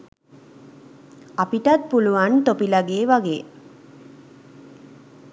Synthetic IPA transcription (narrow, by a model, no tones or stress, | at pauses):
apiʈɐt̪̚puluʋant̪opilaɡeːʋaɡeː